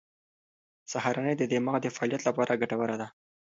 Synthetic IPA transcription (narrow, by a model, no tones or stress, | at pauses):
saɦaɾanəjd̪əd̪emaɣad̪əfaɑːlijat̪lapɑɾʔaɡaʈawəɾad̪a